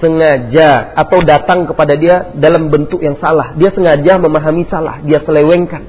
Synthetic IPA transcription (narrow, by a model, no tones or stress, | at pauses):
səŋad͡ʒaːt̪awdat̪aŋkəpadadiadalambənt̪ʊk̚jaŋsalahdiasəŋad͡ʒaməmaɦamisala̰hdiasəlewɛŋkan